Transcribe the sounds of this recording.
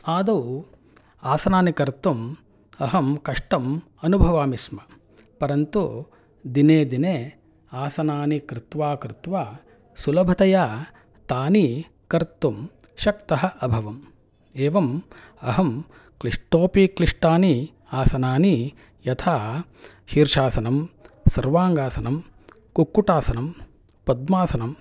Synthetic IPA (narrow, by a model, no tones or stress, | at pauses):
aːd̪ɐw | aːsɐnaːnikɐɾt̪um | ɐɦɐmkɐʂʈɐm | ɐnubʱɐʋaːmismɐ | pɐɾɐnt̪u | d̪ineːd̪ineː | aːsɐnaːnikɾɪt̪ʋaːkɾɪt̪ʋaː | sulɐbʱɐt̪ɐjaː | t̪aːni | kɐɾt̪ːum | ʃɐk̚t̪ɐɦɐʔɐbʱɐʋɐm | eːʋɐm | ɐɦɐm | kliʂʈoːpikliʂʈaːni | aːsɐnaːni | jɐt̪ʰaː | ʃiːɾʃaːsɐnɐmsɐɾʋaːŋɡaːsɐnɐm | kukːuʈaːsɐnɐm | pɐd̪maːsɐnɐm